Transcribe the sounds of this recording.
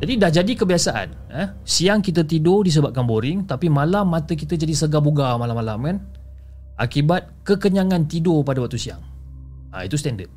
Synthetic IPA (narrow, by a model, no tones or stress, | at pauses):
d͡ʒadidahd͡ʒadikəbiasaʔa̰n | ə | siaŋkit̪̬ət̪idʊdis̬əbap̚kanboɾɪŋt̪apimalamːat̪ək̬it̪əd͡ʒadisəɡabuɡamalamːalamkan | ʔa̰kibat̪̚kəkəɲaŋãnt̪idopadawak̚t̪usia̰ŋ | a̰it̪ust̪ɛndəd̪̚